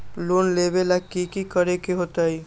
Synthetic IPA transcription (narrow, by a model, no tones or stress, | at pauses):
loːnlebelakikikəɾekeɦot̪ai